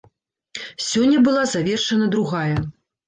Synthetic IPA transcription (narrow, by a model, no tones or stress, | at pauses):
sʲɔnʲːɐbɨlˠazavʲɛrʂɐnɐd̪ɾuɣajɐ